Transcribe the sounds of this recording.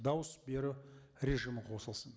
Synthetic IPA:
d̪ɑwəsbe̞ɾɪ | ɾʲe̞ʒɨjməqʰo̞səlˠsən

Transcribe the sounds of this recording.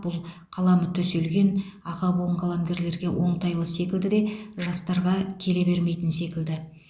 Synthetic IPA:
b̥ʊlˠqʰɑlˠɑmət̪ʰɵse̞lɡʲe̞nɑʁɑbolˠəɴqʰɑlˠɑmɡ̪ʲe̞ɾle̞ɾɡʲe̞wʔo̞ɴt̪ɑjlˠəse̞kʲɪld̪ɪd̪e̞ʒɑst̪ɑɾʁɑkʲʰe̞le̞be̞ɾme̞jt̪ɪnse̞kʲɪld̪ɪ

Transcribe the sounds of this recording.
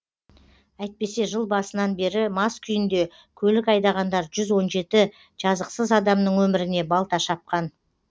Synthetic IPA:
æjt̪̚pe̞se̞ʒəlˠbɑsənɑnbe̞ɾɪmɑskʲʰʏjɪnd̪e̞ | kʲʰɵlɪkɑjd̪ɑʁɑnd̪ɑɾʒʏzwo̞nʒe̞t̪ɪ | ʒ̥ɑzəqsəzɑd̪ɑmnəɴwɵmɪɾɪne̞bɑlˠt̪ɑʃɑp̚qɑn

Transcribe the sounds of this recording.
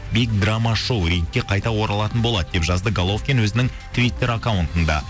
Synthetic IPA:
bejk̚d̪ramːɑʃowɾejt̪̚kʲːe̞qʰɑjt̪ɑwo̞ɾɑlˠɑt̪ənbo̞lˠɑd̪əd̪e̞pʒɑzd̪əɡalˠo̞fkʲenwɵzɪnɪŋ | t̪ʰvʲijt̪ːe̞ɾakawnt̪ənd̪ɑ̰

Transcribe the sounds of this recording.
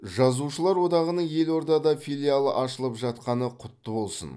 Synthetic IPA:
ʒɑzuʃəlˠɑɾwo̞d̪ɑʁənəɴje̞lo̞ɾd̪ɑd̪ɑfilʲijalˠəʔɑʃəlˠəpʒɑt̪qɑnəqʰʊt̪ːəbo̞lˠsə̰n

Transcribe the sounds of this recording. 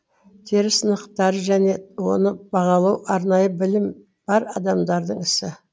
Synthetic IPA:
t̪ʰeɾɪsənəqt̪ɑɾəʒæne̞wo̞̰nəbɑʁɑlˠɑwʔɑɾnɑjəbɪlɪm | b̥ɑɾɑd̪ɑmd̪ɑɾd̪əɴɪsɪ

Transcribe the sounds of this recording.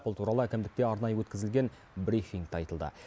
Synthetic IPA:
pəlˠt̪ʰuɾɑlˠəækʲʰemd̪ɪk̚t̪e̞ɑɾnɑjəwɵt̪kʲɪzɪlɡʲe̞n | bɾifiŋɡt̪ɑjt̪əlˠd̪ə̰

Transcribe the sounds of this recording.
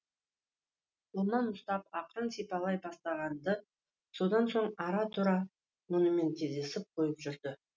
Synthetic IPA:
ʊlˠmɑnmʊst̪ɑp̚ɑqəɾənsijpɑlˠɑjbɑst̪ɑʁɑnd̪ə | so̞d̪ɑnso̞ɴɑɾɑt̪ʰuɾɑ | mʊnəme̞nt̪ʲʰizd̪e̞sɪp̚qʰo̞jəpʒʏɾd̪ɪ

